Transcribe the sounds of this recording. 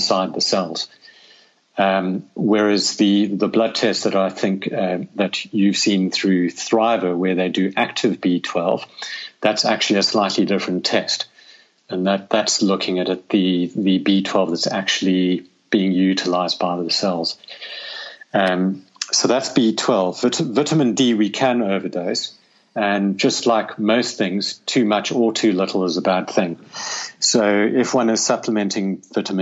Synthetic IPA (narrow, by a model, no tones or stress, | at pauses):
saɪd̪̚ðɨsɛlˠz̥ | wə˞ɨzðɨðəblʌd̚tʰɛst̚ðɨɾaɪθɪ̃ŋkðɨt͡ʃɨv̥sĩnθɹʉθɹaɪvə˞wə˞ðeɪdɨʔæk̚tʰɨvbitʰw̥ɛlˠv̥ðætsæ̰k̚t͡ʃʉl̩ˠiɨslaɪtˡlidɪfɹɨ̃ntʰɛst | ɨ̃nðɨt̪̚ðætslʊkʰɪ̃ŋɨɾɨt̪̚ðɨðɨbitʰw̥ɛlˠvðɨtsæk̚t͡ʃʉl̩ˠi | b̥iɪ̃ŋjʉɾəlaɪzdbaɪðəsɛlˠz̥ | ʌ | soʊðætsb̥itʰw̥ɛlˠvɪɾəvɪɾəmɨ̃ndiwikʰɨ̃noʊvə˞doʊs | ɨ̃nd͡ʒʌstˡlaɪkmoʊsθɪ̃ŋz̥tʰʉmʌt͡ʃətʰʉlɪɾl̩ˠəzəbæd̪̥̚θɪ̃ŋsoʊɪfwʌ̃nɨz̥sʌpʰləmɛ̃ntʰɪ̃ŋvɪɾəm̃